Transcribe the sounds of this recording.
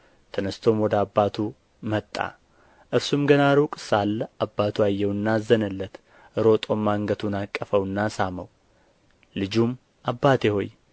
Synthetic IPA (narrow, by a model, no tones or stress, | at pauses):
t̪ʰənəst̪ʰo̞mwɔd̪əabːat̪ʰu | mət̪ʼːa̰ | ʔɨɾsumɡənaɾukʼsalːabːat̪ʰuajːɛwɨnːazːənəlːət̪ | ɨɾo̞t̪ʼo̞mːaːŋɡət̪ʰunakʼːəfəwɨnːasaməw | lɨd͡ʒum | ʔabːat̪eho̞̰j